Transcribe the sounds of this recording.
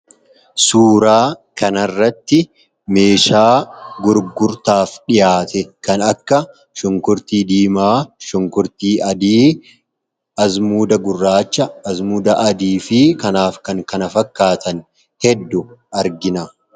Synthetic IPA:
suːɾaːkɐnɐrːɐt̪ːɪ | me̞ːʃaːɡʊɾɡʊɾt̪aːfᶑɪjaːt̪ɛkɐnɐkːɐ | ʃɔŋkʊɾt̪iːd̪iːmaːʃɔŋkʊɾt̪iːʔɐd̪iː | ɐzmuːd̪ɐɡʊrːaːt͡ʃːɐːzmuːd̪ɐʔɐd̪iːfɪkɐnaːfkɐŋkɐnɐfɐkːaːt̪ʰɐn | hɛd̪ːʊʔɐɾɡɪnɐ

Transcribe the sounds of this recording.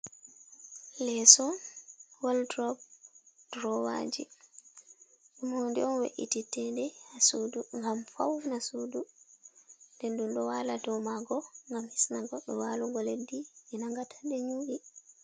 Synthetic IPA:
lɛsɔnwaldɾɔb̚d̥ɾɔwa̰d͡ʒi | ɗumhondiɔnwḛʔititːɛndɛhasuduŋɡamfa̰wnasudu | ndɛndunɗɔwaladɔmaɡɔŋɡamhisnaɡɔɗːɔwaːluɡɔledːimɛnaŋɡatʰḁndɛɲuɡi

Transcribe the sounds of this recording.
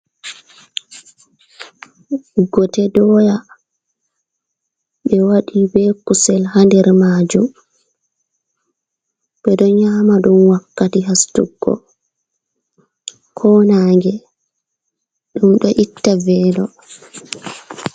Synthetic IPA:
ɡɔtɛdɔja | ɓɛwaɗibɛkusɛlhandɛɾmaːd͡ʒum | bɛɗɔɲaːmaɗumwakːatiɦastṵɡːɔ̰ | kʰɔnaːŋɡɛ | ɗumɗɔʔitːavɛːlɔ

